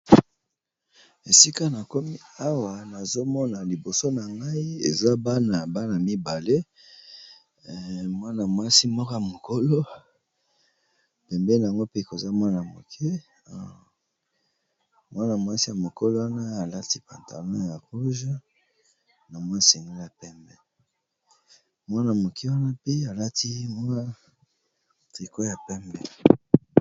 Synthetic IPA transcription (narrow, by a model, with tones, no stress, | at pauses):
e˨si˦ka˦na˨ko˦mi˦a˦wa˨na˨zo˦mɔ˦na˨li˨bo˨so˦na˨ŋɡa˦i˦ḛ˨za˦ba˦na˨ba˦na˨mi˦ba˨le˦˨ | mwa˦na˨mwa˦si˦mɔ˦kɔ˦ja˨mo˨ko˦lo˦˨ | pɛ˨mbɛ˦na˨ŋɡo˦pe˦˨ko˨za˦mwa˦na˨mo̰˨kʰɛ˦˨ | mwa˦na˨mwa˦si˦ja˨mo˨ko˦lo˦wa˦na˦a˨la˦ti˦pa˨nta̰˨lɔ̃˦ja˨ʁu˦ʒa˦ | na˨mwa˦˨se˨ŋɡe˦li˦a˨pɛ˦mbɛ˦ | mwa˦na˨mo˨kʰe˦wa˦na˦pe˦a˨la˦tʰi˦m˦ | ti˨ko˦ja˨pɛ˦mbɛ˦˨